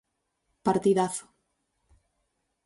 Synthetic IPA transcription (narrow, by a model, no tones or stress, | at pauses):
paɾt̪iðaθo̥